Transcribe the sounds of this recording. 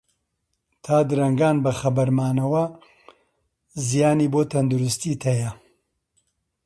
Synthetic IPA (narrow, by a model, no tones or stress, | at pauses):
t̪ʰaːd̪ɨɾɐŋɡaːnbɐxɐbɐɾmaːnɐwɐ | zijaːniːboːt̪ʰɐnd̪uɾʊst̪iːt̪ʰɐjɐ